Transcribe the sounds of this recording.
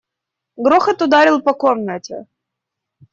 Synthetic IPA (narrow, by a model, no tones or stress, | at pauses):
ɡɾoxət̪ʊd̪aɾʲilˠpɐkomnətʲɪ̰